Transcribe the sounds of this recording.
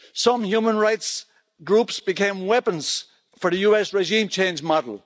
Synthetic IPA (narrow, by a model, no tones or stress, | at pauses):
sʌ̃mhjumə̃nɹaɪts | ɡɹupsb̥ɨkʰẽɪ̃mwɛpə̃nz̥ | fə˞ðɨjuɛsɹɪʒĩmt͡ʃʰẽɪ̃nd͡ʒmɑɾl̩ˠ